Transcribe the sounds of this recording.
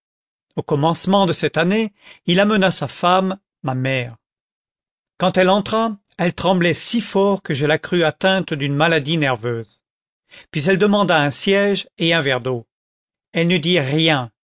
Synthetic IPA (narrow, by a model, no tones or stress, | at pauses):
okɔmɑ̃smɑ̃d̪əsɛt̪aneilamənasafamː | amɛʁ | kɑ̃t̪ɛlɑ̃t̪χaɛlt̪χɑ̃blɛsifɔʁkəʒəlakχyat̪ɛ̃t̪d̪ynmalad̪inɛʁvøz | pɥizɛld̪əmɑ̃d̪aɛ̃sjɛʒeɛ̃vɛʁd̪o | ɛlnəd̪iʁjɛ̃